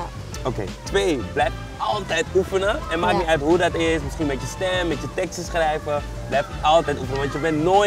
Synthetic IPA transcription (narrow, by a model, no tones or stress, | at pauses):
okḛːtʋeːblɛjft | ɑlˠtɛjtufənəɛnmaːk̚miœɥtɦudɑtɪsmɪsχinmɛtjəstɛmmːɛtjətɛkstsχrɛjvə | blɛjftɑlˠtɛjtufənəʋɑntjəbɛntnoː